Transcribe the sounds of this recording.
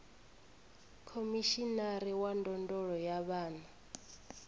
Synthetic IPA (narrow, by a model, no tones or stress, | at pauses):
kʰomiʃinaɾiwandɔndɔɺɔjaβaːna